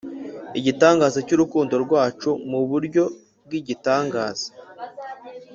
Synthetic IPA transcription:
iɟitaːŋɡaːzocuɾukuːndo̞ɾɡwaːt͡ʃumuβuɾɟo̞ | b̚ɡwiɟitaːŋɡa̰ːz̥o̥

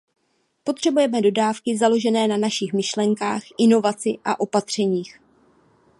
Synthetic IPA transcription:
po̞t̪r̝̥ɛbujɛmɛdo̞daːfkɪzalo̞ʒɛnɛːnanaʃɪxmɪʃlɛŋkaːxʔɪno̞vat͡sɪʔa̰ʔo̞pat̪r̝̥ɛɲiːx

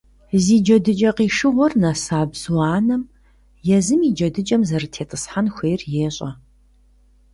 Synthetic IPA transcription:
ziːd͡ʒɐdɨt͡ʃʼɐqiːʂɨʁʷɔrnɐsaːbz̥wɑːnɐm | jɛzɨmid͡ʒɐdɨt͡ʃʼɐmzɐrɨtʰeːtʼɨsħanxʷeːrjeːɕʼɐ

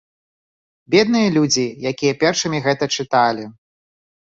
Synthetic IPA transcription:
bʲɛd̪̚nɨjɐlʲud͡zʲijakʲijɐpʲɛrʂɨmʲiɣɛt̪ɐt͡ʂɨt̪alʲi

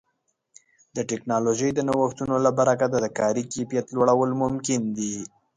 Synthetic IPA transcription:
d̪əʈɛknɑloʒəjd̪ənawəxt̪unolabaɾakad̪ad̪əkɑɾikepijat̪loɽawəlmʊmkɪnd̪i

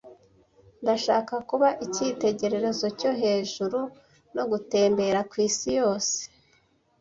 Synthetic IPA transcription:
ndaʃaːkakuβaʔicite̞ɟe̞ɾe̞ɾe̞zo̞co̞ɦe̞ːʒuɾu | no̞ɡute̞ːmbe̞ɾakwiːsijo̞ːse̥

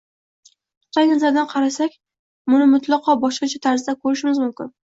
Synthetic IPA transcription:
ʊ̥t̪ʰajnazaɾd̪anqʰɑɾasakʲ | mʊnɪmʊt̪ʰlˠɑqʰɒbɒʃqɑt͡ʃʰat̪ʰaɾzɪd̪akʰɵɾɪʃɪmɪzmʊmkʲɪn

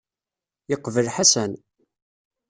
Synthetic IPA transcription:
jəqːvəlħasæn

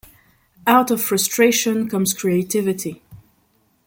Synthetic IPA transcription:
aʊtʌv̥fɹʌstʰɹ̥eɪʃɨ̃nkʰʌ̃mz̥kʰɹ̥ieɪtʰɪvɨtʰi

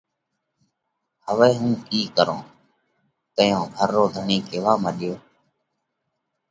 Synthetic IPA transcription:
həʋeːɦũːiːkəɾõː | t̪əjõːbʱəɾːoːd̪ʱəɳiːkeːʋaːməɗɪjoː

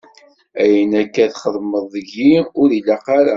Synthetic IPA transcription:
æjənækːæðχəðˤməðˤəʝiʊɾilæqɑɾæ

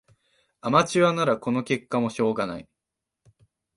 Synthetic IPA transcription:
amat͡ɕiβanaɾako̞no̞ke̞kːamo̞ɕo̞ːɡana̰i

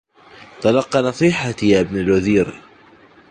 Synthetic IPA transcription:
t̪ˤɑlɑqːɑnɑsˤiːħajaːʔɪbnalwaðiːɾ

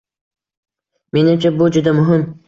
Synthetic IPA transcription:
me̞nɪmt͡ʃʰabʊd͡ʒʊd̪amʊɦɪm

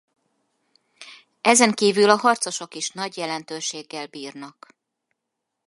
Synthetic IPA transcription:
ʔɛzɛŋkiːvylɒɦɒrt̪so̞ʃo̞kiʃnɒɟjɛlɛnt̪øːʃeːɡːɛlbiːrnɒk

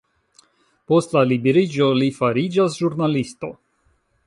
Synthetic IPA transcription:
po̞stlalibeɾid͡ʒolifaɾid͡ʒasʒuɾnalisto̞

